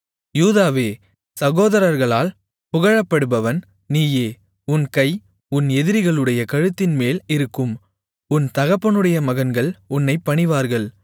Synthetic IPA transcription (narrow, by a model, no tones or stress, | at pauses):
juːðaːʋeː | sɐɣoːðɐɾɐɾɣɐɭaːl | pʊɣɐɻɐpːɐɽɯbɐʋɐn | niːjeː | ʊnkɐɪ | ʊnɛðɪɾɪɣɐɭɯɽɐjɐkɐɻɯt̪ːɪnmeːlɪɾɯkːɯm | ʊnt̪ɐɣɐpːɐnɯɽɐjɐmɐɣɐnɡɐɭʊnːɐɪpːɐɳɪʋaːɾɣɐɭ